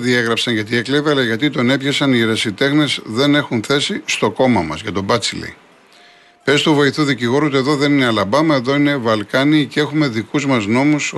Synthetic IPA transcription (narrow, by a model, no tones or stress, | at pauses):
ðie̞ɣɾɐpsɐnʝɐt̪iekleviɐlɐʝɐt̪̬it̪o̞ne̞pçɐsɐniːɾɐsit̪e̞xne̞zðe̞ne̞xunθe̞sist̪oko̞mɐmɐ̰zʝɐt̪o̞bɐt͡silḭ | pe̞st̪uvo̞iθuðiciɣo̞ɾut̪eðoðe̞nineɐlɐbɐmɐe̞ðo̞ine̞vɐlkɐniːcee̞xume̞ðikuzmɐzno̞mus